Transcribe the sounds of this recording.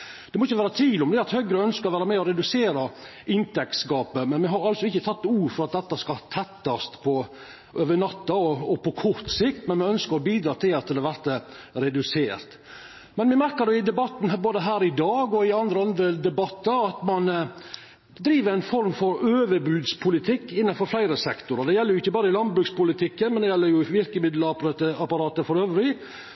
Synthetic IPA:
d̪̥ɛmɔɪçːəʋæːɾət̪ʰʋiːlɔmd̪ɛɑt̪hœɡɾəœnskəɾɔʋæːɾəmɛɔɾɛd̪ʉseːɾɑʔɪnt̪ɛk̪skɑːpəmɛnmɛɦɑɾɑlt̪sɔɪçːət̪ʰɑt̪ːuːɾfɔɾɑt̪̚d̪ɛt̪ːɑskɑt̪ʰɛt̪ːɑst̪pʰɔ | ʔøːʋəɳɑt̪ːɑɔɔpɔkʰɔɾt̪sɪkt̪mɛnmɪœnskəɾɔbiːd̪ɾɑːt̪ʰɪlɑt̪ʰːɪlɛʋæɾt̪ə | ɾɛd̪ʉseːɾt̪ | mɛnʋɪmæɾkəd̪ɛɪd̪ɛbɑt̪ːn̩boːd̪əɦæːɾɪd̪ɑːɡɔɪɑnd̪ɾəɑnd̪ɾəd̪ɛbɑt̪ːəɾɑt̪mɑn | d̪ɾiːʋəɾæɪnfɔɾmfɔɾøːʋəɾbʉːd̪spʰʊlɪt̪ʰɪkːɪnːɑnfɔɾflæɪɾəsɛkt̪ʊɾɑd̪ɛjɛlːəɾjʊɪçːəbɑːɾəɪlɑnd̪bɾʉːkspʊlɪt̪ʰɪkːənmɛnd̪ɛjɛlːəɾjʊɪʋɪɾkəmɪd̪lət̪əɑpɑɾɑːt̪əfɔɾøːʋəɾɪ

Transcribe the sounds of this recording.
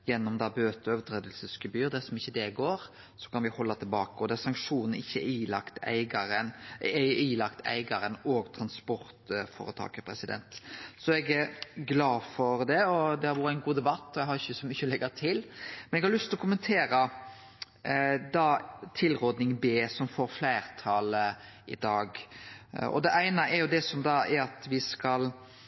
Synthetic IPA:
jɛnːɔmd̪ɑbøːt̪əøːʋət̪ʰɾeːd̪əlsəskʉbyːɾd̪ɛsɔmɪçːəd̪ɛɡoːɾ | sɔkʰɑnʋɪhɔlːɑt̪ʰɪlbɑːkəɔd̪ɛæɾsɑŋkʃuːnn̩ɪçːəilɑkt̪æ̰ɪɡɑɾən | ilɑkt̪ʰæ̰ɪɡɑɾənɔːɡt̪ʰɾɑnspɔɾt̪fɔ̰ːɾət̪ʰɑ̰ːkəpʰɾɛsɪd̪ɛ̰nt̪sɔɛɡæɾɡlɑːfɔɾd̪ɛɔd̪ɛhɑɾʋʊɾəæɪnɡuːd̪ɛbɑt̪ːɔɛɡhɑɾɪçːəsɔmyçəlɛɡəɾt̪ʰɪlmɛnɛɡhɑɾlʉst̪ɪlɔkʰʊmənt̪ʰeːɾə | d̪ɑt̪ʰɪlʁoːd̪nɪŋbeːsɔmfoːɾflæɪɾt̪ʰɑːləɪ̰d̪ɑːɡ | ɔ̰d̪ɛʔæɪnɑʔɛɾjʊd̪ɛsɔmd̪ɑɛɾɑt̪ʋɪskɑl

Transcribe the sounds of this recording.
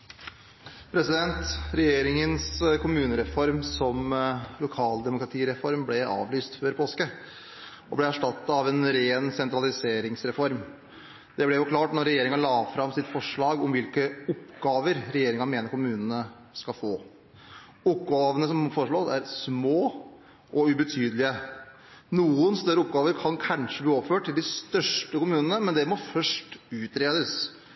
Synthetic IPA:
pʰɾɛsɪd̪ɛnt̪ɾɛjeːɾɪŋənskʰʊmʉːnəɾɛfɔɾmsɔmlʊkʰɑːld̪ɛmʊkɾɑt̪ʰiːɾɛfɔɾmblɛɑ̰ːʋlyːst̪føːɾpʰoːskə | ɔblɛæʂʈɑt̪ːɑɑʋɛnɾeːnsɛnt̪ɾɑlɪseːɾɪŋsɾɛfɔɾm | d̪̥ɛblɛjʊkʰlɑːʈnɔɾːɛjeːɾɪŋɑlɑːfɾɑmsɪt̪fɔʂɭɑːɡɔmʋɪlkəʊpːɡɑːʋəɾɾɛjeːɾɪŋɑmeːnəɾkʊmʉːnənə | skɑfoː | ʊp̚ɡɑːʋənəsɔmfɔɾəʂɭoːsæɾsmoː | ʔɔʉbət̪ʰyːd̪əlɪə | nuːənst̪œɾəʊp̚ɡɑːʋəɾkʰɑnkʰɑnʂəbliːɔʋəføːʈʰːɪld̪ɪst̪œʂʈəkʊmʉːnənəmɛnd̪ɛmɔfœʂʈʉːt̪ɾeːd̪əs

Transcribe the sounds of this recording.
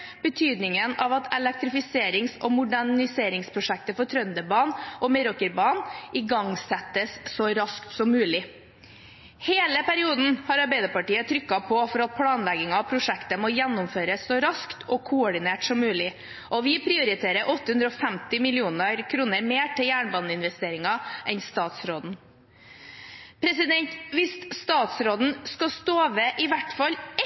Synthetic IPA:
b̥ət̪ʰyːd̪nɪŋənɑʋɑt̪ʰɛlɛk̚t̪ɾɪfɪseːɾɪŋsɔ̰mʊɖæɳɪseːɾɪŋspʰɾʊʂɛk̚t̪əfɔt̪ʰɾœnd̪əbɑːnʔɔmɛɾɔkəɾbɑːnʔɪɡɑŋsɛt̪ːəsːɔɾɑskt̪sɔmːʉːlɪ | heːləpʰæɾɪuːd̪n̩hɑɾɑɾbæɪd̪əpɑʈiːət̪ʰɾʏkːɑpʰɔfɔɾɑt̪̚pʰlɑːnlɛɡɪŋɑʋpʰɾʊʂɛkt̪əmɔjɛnːʊmføːɾəsːɔɾɑskt̪ɔkʰʊɔɖɪneːʈsɔmːʉːlɪ | ʔɔʋɪpʰɾɪːʊɾɪt̪ʰeːɾəʔɔt̪ːəhʉnd̪ɾɔːfæmt̪ɪmɪlɪuːnəɾkʰɾuːnəɾmeːʈʰɪljæːɳbɑnəɪnʋɛst̪eːɾɪŋɑʔɛnst̪ɑːt̪sɾoːd̪n̩ | pʰɾɛsɪd̪ɛnt̪ʋɪst̪st̪ɑːt̪sɾoːd̪n̩skɑst̪oːʋeʔɪʋæʈfɑl

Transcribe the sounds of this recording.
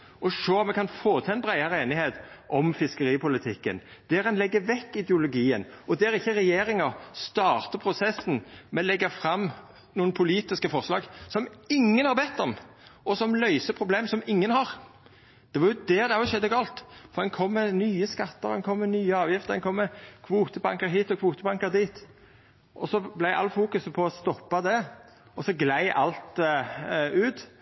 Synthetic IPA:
ɔʂøːmɛkʰɑnfoːt̪ʰɪɛnbɾæɪɑɾəeːnɪheːt̪ʔɔmfɪskəɾiːpʊlɪt̪ʰɪkːə̰nd̪̥ɛɾɛnlɛɡːəʋɛkːɪd̪jʊlʊɡiːənɔd̪ɛɾɪçːəɾɛjeːɾɪŋɑst̪ɑːʁt̪əpʰɾʊsɛsːn̩mɛlɛɡːəfɾɑmː | nuːənpʰʊliːt̪ɪskəfɔʁslɑːɡsɔmɪŋːənhɑɾbɛt̪ːɔm | ʔɔsɔmlœʏsəpʰʁʊbleːmsɔmɪŋːənhɑʁ | d̪̥ɛʋɑjʊd̪ɛd̪ɛɑʊʃɛd̪ːəɡɑːlt̪fɔʁd̪ɛnkʰɔmːɛnyːəskɑt̪ːəʁɛnkʰɔmːɛnyːəɑːʋjɪft̪ədɛnkʰɔmːɛkʰʋuːt̪əbɑŋkəɾɦiːt̪ɔkʰʋuːt̪əbɑŋkəɾd̪iːt̪ | ʔɔsɔblæɪʔɑ̰lfuːkʉspʰɔɔst̪ɔpːɑd̪ɛ | ɔsɔɡlæɪʔɑlt̪ | ʉːt̪

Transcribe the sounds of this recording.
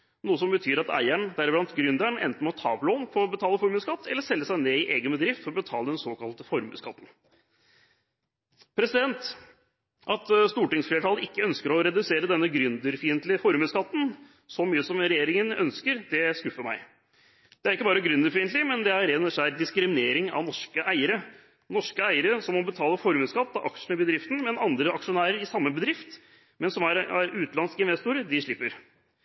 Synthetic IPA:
nuːəsɔmbət̪ʰyːɾɑt̪æ̰ɪæɳd̪æɾɪblɑnt̪ɡɾʏnd̪æɳɛ̰nt̪n̩mɔt̪ʰɑ̰ːpʰloːnfʰɔɾɔbət̪ʰɑːləfɔɾmʉskɑt̪ːɛlːəʂɛlːəsæɪneːɪʔeːɡənbəd̪ɾɪft̪fɔɾɔbət̪ʰɑːləd̪ɛnsoːkɑlt̪əfɔɾmʉ̰skʰɑt̪ːn̩ | pʰɾɛsɪd̪ɛnt̪ | ʔɑt̪st̪uːʈɪŋsfleːʈʰɑːlɪkːəœnskəɾɔɾɛd̪ʉseːɾəd̪ɛnːəɡɾʏnd̪əɾfiːənt̪lɪəfɔɾmʉskɑt̪ːn̩ | sɔmyːəsɔmɾɛjeːɾɪŋənœ̰nskəɾd̪ɛskʉfːəmæ̰ɪ | d̪̥ɛæɾɪkːəbɑːɾəɡɾʉnd̪əɾfiːənt̪lɪmɛnd̪ɛæɾɛnʂæɾd̪ɪskɾɪmɪneːɾɪŋɑ̰ʋnɔʂkəʔæɪəɾə | nɔʂkəæɪəɾəsɔmɔbət̪ʰɑːləfɔɾməskɑt̪ːɑʔɑkʂɳəbəd̪ɾɪft̪n̩mɛnɑnd̪ɾəɑkʂʊnæːɾəɾɪsɑmːəbəd̪ɾɪft̪ | mɛnsɔmæɾæɾʉːt̪lɑnskɪnʋɛst̪ʊːɾəd̪ɪʂɭɪpːəɾ

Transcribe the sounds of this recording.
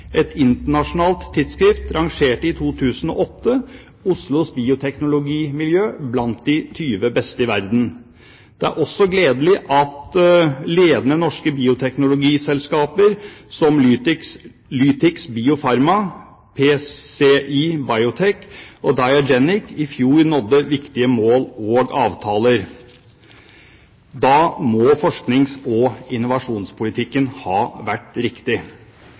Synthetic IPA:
ʔɛt̪ʰɪnt̪əɳɑʂʊnɑːlt̪ʰːɪd̪skɾɪft̪ɾɑŋʂeːʈəɪt̪ʰuːt̪ʰʉːsən̩ɔ̰ʔɔt̪ːə | ʊslʊsbiːʊt̪ʰɛknʊlʊɡiːmɪljøːblɑnt̪̚d̪ɪt̪ʰyːʋəbɛst̪əɪʋæɾd̪n̩ | d̪̥ɛæ̰ɾʔɔsːɔɡleːd̪əlɪʔɑt̪leːd̪ənənɔʂkəbiːʊt̪ʰɛknʊlʊɡiːsɛlskɑːpəɾsɔmː | lyːt̪ɪksbiːʊfɑɾmɑ | pʰeːseːʔibɑɪʊt̪ʰɛkːɔd̪ɑɪɑd͡ʒɛnɪkːɪfjuːɾnɔd̪ːəʋɪkt̪ɪəmoːloːɡɑ̰ːʋt̪ʰɑːləɾ | d̪ɑːmɔfɔʂknɪŋsɔɪnʊʋɑʂuːnspʰʊlɪt̪ʰɪkːənhɑːʋæʈːɾɪkt̪ɪ

